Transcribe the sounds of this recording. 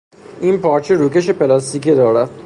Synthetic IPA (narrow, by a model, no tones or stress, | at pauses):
inpʰɒːɾt͡ʃʰeɾuːkeʃepe̞lɒst̪iːkid̪ɒːɾæd̪̥